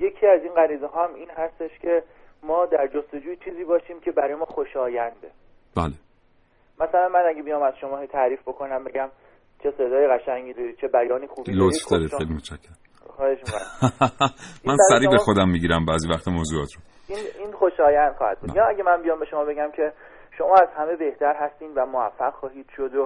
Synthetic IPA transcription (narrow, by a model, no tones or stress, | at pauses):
je̞cʰiːæziːnɢæɾiːzeɦɒːæmiːnɦæst̪e̞ʃcʰe̞mɒːd̪æɾd͡ʒo̞st̪o̞d͡ʒuːjit͡ʃʰiːziːbɒːʃiːmcʰe̞bæɾɒːjemɒːxoʃɒːjænd̪e | b̥æːle | mæsælænmænæɡebijɒmæzʃomɒːɦet̪ʰæɾiːfbo̞kʰo̞næmbe̞ɟæm | t͡ʃʰe̞se̞d̪ɒːjeɣæʃæŋɡid̪ɒɾit͡ʃʰe̞bæjɒːniːxuːbilot̪fd̪ɒːɾeejlimot̪t͡ʃʰæcʰːæɾ | xɒːheʃmikon | mænsæɾiːbexo̞d̪æmːiɟiɾæmbæːziːvæxt̪ʰemoːzuɒːt̪ʰɾo | ininxoʃɒːjænd̪̥xɒːhæ̰d̪̚bud̪jɒːæɡʲemænbijɒːmbe̞ʃo̞mɒːbeɡæmcʰe̞ | ʃo̞mɒːæzhæme̞be̞ht̪ʰæɾɦæst̪iːnd̪væmoæfːæɣxɒːɦiːd̪̥ʃod̪o